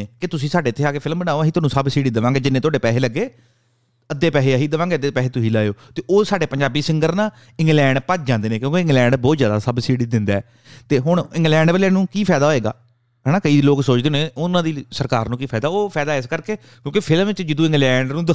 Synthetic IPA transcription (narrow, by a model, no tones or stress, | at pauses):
eːkɪt̪ʊsĩːsaːɖeːɪt̪ʰːeːaːkeːpʰɪlmbənaːoːɦiːt̪ʊaːnũːsəbsiːɽiːd̪əʋãːŋɡeːd͡ʒɪnːeːt̪ʊaːɖeːpɛːseːləɡːeː | əd̪ːeːpɛːɦeːəɦiːd̪əʋãːɡeːəd̪eːpɛːɦeːt̪ʊsiːlaːjoːt̪eːʔoːsaːɖeːpəɲd͡ʒaːbiːsɪŋɡəɾnaː | ɪ̃ŋɡlɛ̃ːɳɖpət͡ʃd͡ʒãːnd̪eːneːkjõːkeɪ̃ŋɡlɛ̃ːɳɖbɔːt̪zjaːd̪aːsəbsiːɽid̪ɪ̃nd̪aːɛː | t̪eːɦʊɳ̃ɪ̃ŋɡlɛ̃ːɳɖʋəːlẽːnũːkiːpʰɛːd̪aːɦoːeːɡa̰ː | ɦɛːnaːkəiːloːksoːt͡ʃd̪eːoːnẽːʊnãːd̪iːsəɾkaːɾnũːkiːpʰɛːd̪aːoːpʰɛːd̪aːɛɪskəɾkeː | kjõːkɪpʰɪlmʋɪt͡ʃd͡ʒɪd̪ũːɪ̃ŋɡlɛːɳɖnũːd̪ə